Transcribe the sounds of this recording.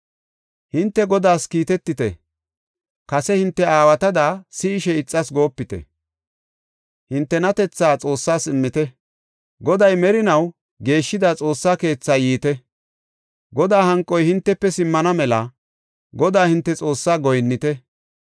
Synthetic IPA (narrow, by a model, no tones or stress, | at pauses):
hɪnt̪ːɛɡɔd̪aːskiːt̪ɛt̪ːɪt̪ɛ̰ | kɐsɛhɪnt̪ːɛaːwɐt̪ɐd̪aːsɪːʃɛɪt͡sʼːɐsɡo̞ːpːɪt̪ɛ̰ | hɪnt̪ːɛnɐt̪ɛt͡sːaːt͡sʼo̞ːsːaːsɪmːɪt̪ɛ | ɡɔd̪ɐjmɛɾɪnɐw | ɡe̞ːʃːɪd̪at͡sʼo̞ːsːaːke̞ːt͡sːaːjiːt̪ɛ | ɡɔd̪aːhɐŋkʼːɔjhɪnt̪ːɛpːɛsɪmːɐnɐmɛlɐ | ɡɔd̪aːhɪnt̪ːɛt͡sʼo̞ːsːaːɡɔjnːɪt̪ɛ